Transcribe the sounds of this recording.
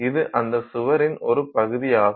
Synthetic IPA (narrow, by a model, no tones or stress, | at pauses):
ɪðɯʔɐnd̪ɐsʊʋɐɾɪnɔɾɯpɐɣɯðɪjaːɣ